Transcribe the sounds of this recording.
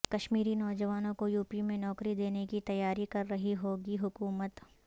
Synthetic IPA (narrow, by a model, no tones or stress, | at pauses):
kɐʃmiːɾinɔːd͡ʒɐʋaːnõkojuːpimẽnɔːkɾid̪eːnekit̪ɐjːaːɾikɐɾːɐɦiɦoːɡiɦʊkuːmət̪